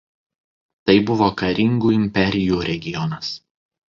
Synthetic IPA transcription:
t̪ɐɪbʊʋoːkɐɾʲɪŋɡuːɪmʲpʲɛɾʲɪjuːɾʲɛɡʲɪjɔnɐs

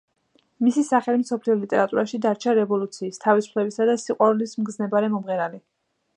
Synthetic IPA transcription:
misisaχɛlimsɔpʰliɔlit̪ʼɛɾat̪ʼuɾaʃid̪aɾt͡ʃʰaɾɛvɔlut̪sʰiːst̪ʰavisu̥pʰlɛbisad̪asiqʼwaɾulismɡznɛbaɾɛmɔmʁɛɾali

